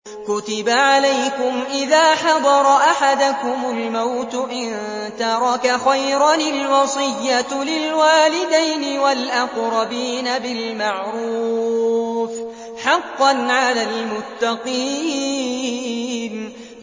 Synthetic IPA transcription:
kʊt̪ɪbaʕalajkʊmʔɪðaːħɑd̪ˤɑɾˤɑʔaħad̪akʊmʊlmawt̪ʔɪn | t̪ɑɾˤɑkaxajɾˤɑnɪlwɑsˤɨjːalɪlwaːlɪd̪ajnɪwalʔaqɾˤɑbiːnabɪlmaʕɾuː | f | ħɑqːɑnʕalalmʊt̪ːɑqiː | n

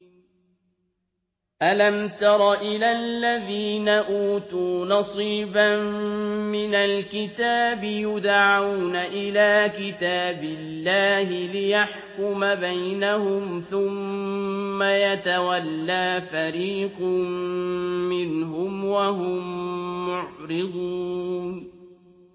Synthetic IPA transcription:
ʔalamt̪ɑɾˤɑʔɪlalːaðiːnaʔuːt̪uːnɑsˤiːbammɪnalkɪt̪aːbɪjʊd̪ʕawnaʔɪlaːkɪt̪aːbɪlːaːhɪlɪjaħkʊmabajnahʊmθʊmː | ajat̪awalːaːfaɾiːqm | mɪnɦʊmwaɦʊmːʊʕɾɪd̪ˤun

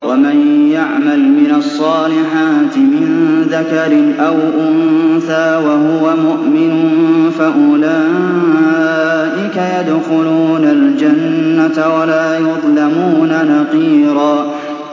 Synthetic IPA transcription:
wamanjaʕmalmɪnɑsˤːɑːlɪħaːt̪ɪmɪnðakaɾɪnʔawʔʊnθaːwaɦʊwamʊʔmɪnʊnfaʔʊlaː | ʔɪkajad̪xʊluːnald͡ʒanːat̪awalaːjʊðˤlamuːnanɑqiːɾɑː

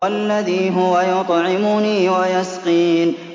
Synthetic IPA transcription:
alːaðiːɦʊwajʊt̪ˤʕɪmʊniːwajasqiːn

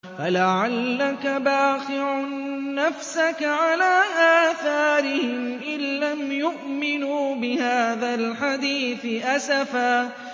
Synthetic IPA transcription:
falaʕalːakabaːqɪʕʊːafsakʕalaːʔaːθaːɾɪhɪmʔɪlːamjʊʔmɪnuːbɪhaːðalħad̪iːθɪʔasafaː

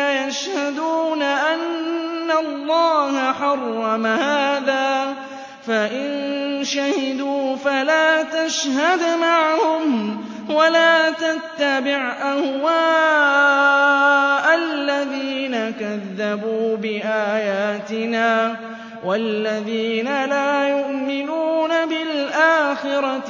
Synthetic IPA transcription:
ajaʃhad̪uːnaʔanːalˤːɑːhaħɑrˤːɑmahaːðaː | faʔɪnʃahɪd̪uːfalaːt̪aʃhad̪maʕhʊm | walaːt̪at̪ːabɪʕʔahwaː | ʔalːaðiːnakaðːabuːbɪʔaːjaːt̪ɪnaː | walːaðiːnalaːjʊʔmɪnuːnabɪlʔaːxɪɾɑ

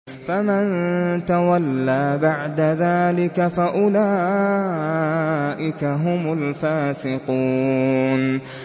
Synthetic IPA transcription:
famant̪awalːaːbaʕd̪aðaːlɪkafaʔʊlaː | ʔɪkaɦʊmʊlfaːsɪquːn

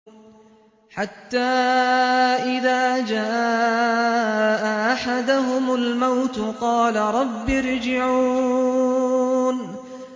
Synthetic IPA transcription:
ħat̪ːaː | ʔɪðaːd͡ʒaː | ʔaʔaħad̪ʊɦʊmalmawt̪ʊqɑːlaɾˤɑbːɪɾd͡ʒɪʕuː | n

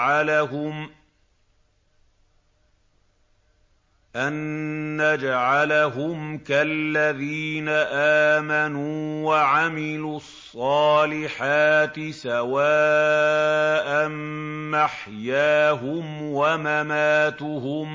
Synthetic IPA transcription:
ʕalaɦʊm | ʔanːad͡ʒaʕalaɦʊmkalːaðiːnaʔaːmanuːwaʕamɪluːɑsˤːɑːlɪħaːt̪ɪsawaː | ʔamːaħjaːɦʊmwamamaːt̪ʊɦʊm

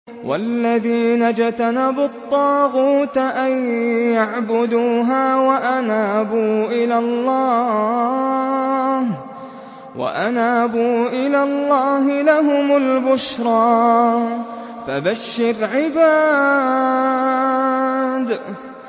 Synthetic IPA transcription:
wa̰lːaðiːnad͡ʒt̪anabʊt̪ˤːɑːɣuːt̪ʔajjaʕbʊd̪uːɦaːwaʔanaːbuːʔɪlalːɑː | h | wa̰ʔanaːbuːʔɪlalˤːɑːɦɪlaɦʊmʊlbʊʃɾˤɑː | fabaʃːɪɾʕɪbaː | d̪

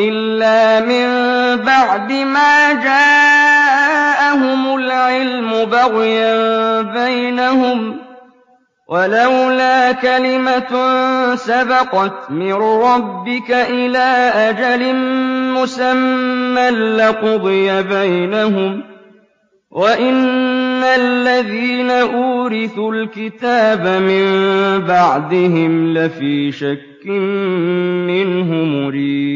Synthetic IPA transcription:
ʔɪlːaːmɪmbaʕd̪ɪmaːd͡ʒaː | ʔaɦʊmʊlʕɪlmʊbɑɣjabajnahʊm | wʔalawlaːkalɪma | sabɑqɑt̪mɪnɾˤɑbːɪkaʔɪlaːʔad͡ʒalɪmʊsamːalːɪqʊd̪ˤɨjabajnaɦʊm | wʔaʔɪnːalːaðiːnaʔuːɾɪθulkɪt̪aːbamɪmbaʕd̪ɪɦɪmlɪfiːʃakːɪmː | ɪnɦʊmʊɾiːdd̪

